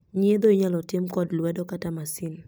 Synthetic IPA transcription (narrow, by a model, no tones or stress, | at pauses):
ɲed̪oiɲalɔtɪmkɔdlwɛdɔkatamasɪn